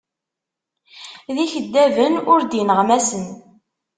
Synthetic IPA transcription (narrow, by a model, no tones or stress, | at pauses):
ðiçəd̪ːævənʊɾd̪inəʁmæsən